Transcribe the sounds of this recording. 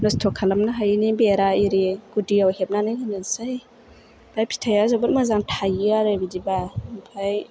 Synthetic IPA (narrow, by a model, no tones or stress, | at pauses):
nɔstʰɔkʰalamnaɦajnibeɾaiɾiɡ̥udiawhep̚nanajkanansaj | b̥ʰajpʰi̥tʰajazabɔtmazaŋtʰajɯaɾabidibampʰaj